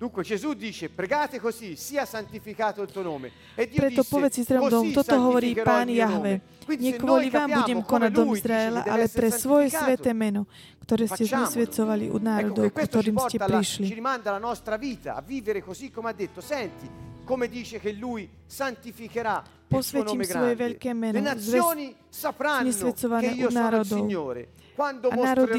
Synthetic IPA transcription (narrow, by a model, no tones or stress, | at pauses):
d̪uŋkwed͡ʒezud̪ːiːt͡ʃepɾeɡaːt̪ekozisiːasant̪ifikaːt̪oilt̪uonoːme | d̪ipɾɛɔpɔʋɛt͡sizɾɔːmd̪ɔmt̪ɔt̪ɔɦɔʋɔɾiːpaːnjaɦʋɛ | wiɲɛkʋɔliʋaːmbuɟɛmkɔnaɟd̪ɔmizɾaɛla̰ʔalɛpɾɛɛsʋɔjɛsʋɛt̪ɛːmɛnɔ | kt̪ɔɾɛːscɛzɲɛsʋɛt̪t͡sɔʋalḭʔṵd̪naːɾɔd̪ɔwkkt̪ɔɾiːmscɛpɾiʃliɾimand̪alanɔst̪ɾaviːt̪a̰ːvːiːveɾekozikːomead̪ːet̪ːosɛnt̪ikomed̪iːt͡ʃekelːuj | sant̪ifikeɾa | pɔsʋɛimsʋɔjɛʋɛʎkɛːmɛnɔnzɛoːni | sapɾaɲɛsʋɛt͡sɔʋanɛːʔunaːɾɔdd̪ɔwɲːoːɾḛ | kwand̪oanaːɾɔd̪